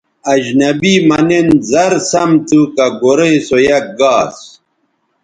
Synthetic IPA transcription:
ɐd͡ʑnɐbimɐnenzɐɾsɐmt̪ukɐɡoɾesojɐk̚ɡaːs

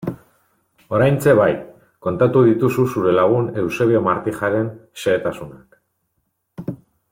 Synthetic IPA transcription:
o̞ɾajnt͡se̞βaj | ko̞nt̪at̪uðit̪ususuɾe̞laɣ̞une̞wse̞βeomaɾt̪ixaɾe̞nseːt̪asunak

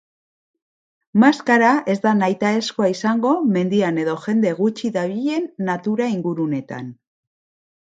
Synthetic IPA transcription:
maskaɾae̞zd̪anajt̪ae̞skoaisaŋɡo̞me̞nd̪iane̞ðo̞ʝe̞nd̪e̞ɣ̞ut͡ʃiðaβiʎe̞nːat̪uɾaiŋɡuɾune̞t̪a̰n

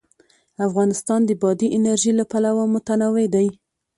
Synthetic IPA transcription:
afɣɑnɪst̪ɑnd̪əbɑd̪iʔɪnaɾʒilapalawamʊt̪anɑwed̪aj

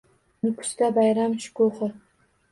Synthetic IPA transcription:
nɪkʰʊ̥st̪abajɾamʃʊ̥kʰoχɨ

